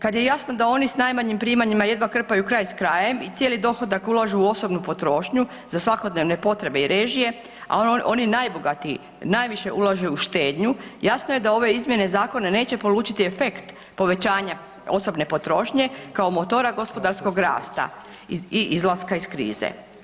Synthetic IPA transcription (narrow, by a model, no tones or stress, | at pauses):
kad̪je̞jasno̞d̪ao̞nisnajmaɲimpɾiːmaɲimaje̞d̪ʋakr̩pajukɾajskɾaːje̞mit̪sjelid̪o̞xo̞d̪akulˠaʒuːo̞so̞bnupo̞t̪ɾo̞ːʃɲu | zasʋako̞d̪neʋne̞po̞t̪ɾe̞be̞iɾeːʒije̞ | a̰ʔo̞ninajbo̞ɡat̪i | najʋiʃe̞ʔulˠaʒeuʃt̪e̞ːd̪ɲujasnoje̞d̪ao̞ʋe̞izmje̞ne̞zaːko̞nane̞ːt͡ɕe̞po̞luːt͡ʃit̪iefe̞kt̪ | po̞ʋe̞t͡ɕaːɲa | o̞so̞bne̞po̞t̪ɾo̞ːʃɲe̞kao̞mo̞t̪o̞ːɾaɡo̞spo̞d̪aɾsko̞ɡɾa̰ːst̪a̰ | iiʔizlaskaiskɾḭːzḛ